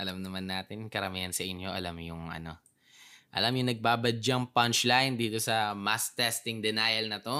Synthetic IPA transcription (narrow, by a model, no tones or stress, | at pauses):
ʔɐlɐmnɐmanːaːt̪ɪnkɐɾɐmihɐnsɐʔɪnjo̞ʔɐlamjʊŋʔɐ̰no̞ | ʔɐ̰lamjʊŋnɐɡ̚baːbɐd͡ʒɐŋpɐnt͡ʃlajnd̪iːt̪o̞sɐmast̪ɛst̪ɪŋd̪ɛnajɐlnɐt̪o̞